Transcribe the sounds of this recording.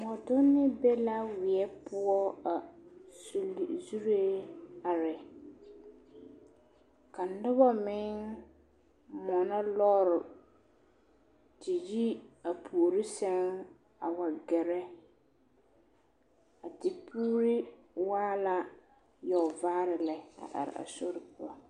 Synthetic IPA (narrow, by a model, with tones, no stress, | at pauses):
mɔ˨dʊ˦nːɪ˦bɛ˦la˦wɪ˨ɛ˦pʊ˦ɔ˦a˨slzu˦ɾe˦a˨ɾɪ˨ | ka˨n̩˨˦dʊ˦βa˦mɪ̃˦ŋ | mɔ˨na˦lɔː˦ɾʊ˨ | tɪ˨ji˦a˨pʰu˨o˨ɾi˦sɛ˦ŋ | a˨wa˨ɡɛ˨ɾɛ˦ | a˨tɪ˨pʰuː˦ɾi˦ | waː˦la˦ | jɔ˨vaː˦ɾɪ˨lɛ˨a̰˨ʔa̰˨ɾɪ̰˨a̰˨so˦ɾɪ˨pʊ˨ɔ˨